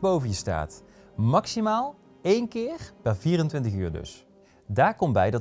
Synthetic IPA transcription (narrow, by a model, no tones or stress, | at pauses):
bowvənjəsta̰ːt | mɑksimaːlˠ | ejnkɪːɹpɛɹviːrəntʋɪntəχy̰ːɹdɵ̰s | daːɹkɔmbɛjdɑt